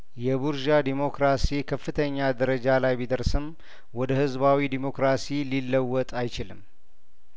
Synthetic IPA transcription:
jɛbuɾʒad̪imo̞kɾasikʰəfːɨt̪ʰəɲːad̪əɾəd͡ʒalajbid̪əɾsɨm | wɔd̪əhɨzbawid̪imo̞kɾasililːəwːɔt̪ʼajt͡ʃɪlɨm

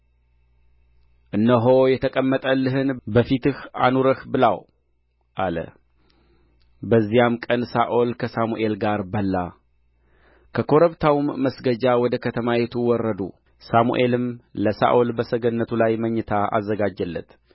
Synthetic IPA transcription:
ʔɨnːəɦo̞jɛt̪ʰəkʼəmːət̪ʼəlːɨɦɨnbəfit̪ɨhanuɾəhbɨla̰w | ʔalə̰ | bəzːijamkʼənsaʔo̞lkʰəsamuʔe̞lɡaɾbəlːa | kʰəkʰo̞ɾəβt̪ʰawmːəsɡəd͡ʒawɔd̪əkʰət̪ʰəmajɛt̪ʰuwɔrːəd̪ṵ | samṵʔe̞lɨmləsa̰ʔolbəsəɡənːət̪ʰulajməɲːət̪ʰaa̰zːəɡad͡ʒəlːə̰t̪

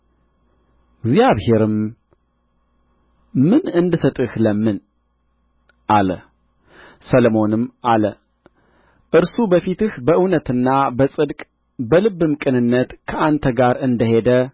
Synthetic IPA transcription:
ɡzjaβhe̞ɾɨm | mɨnɨnd̪ɨsət̪ʼɨhləmːɨn | ʔalə | sələmo̞nɨmʔalə | ʔɨɾsubəfit̪ɨhbəʔɨwnət̪ɨnːabəsʼɨd̪kʼ | bəlɨβɨmkʼɨnɨnːət̪kʰəʔant̪ʰəɡaɾɨnd̪əhe̞d̪ə

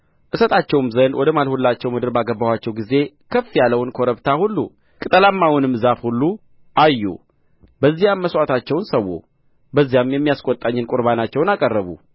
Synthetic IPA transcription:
ʔɨsət̪ʰʼat͡ʃːɛwmzənwʔɔd̪əmalhulːat͡ʃːɛwmɨd̪ɨɾbaɡəbːawat͡ʃːɛwɡize̞ | kʰəfːijalːəwnkʰoɾəβt̪ʰahulːṵ | kʼɨt̪ʼəlamːawʊnɨmːzafhulːu | ʔajːṵ | bəzːijamːəswʷat̪ʰat͡ʃːɛwnsəwːṵ | bəzːijamjɛmːijaskʼot̪ʼːaɲːɪnkʼʊɾβanat͡ʃːɛwnakʼərːəβṵ

